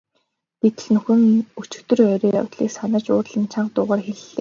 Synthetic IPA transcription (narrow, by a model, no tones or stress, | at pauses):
t̪et̪ɘ̆ɮnɵxɘ̆nut͡ɕɪ̆kt̪ɵ̆rœɾeːjɔ̰wt̪ɮiːksanə̆t͡ɕʊːrɮə̆nt͡ɕʰaɴɢt̪ʊːʁaːrxeɮːeː